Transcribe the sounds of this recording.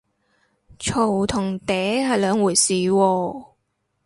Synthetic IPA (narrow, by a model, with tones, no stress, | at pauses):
t͡ʃʰo˨˩wt̪ʰʊ˨˩ŋt̪ɛː˨˥ɦɐ˨jlœː˨˧˥ŋwuː˨˩jsiː˨wɔː˧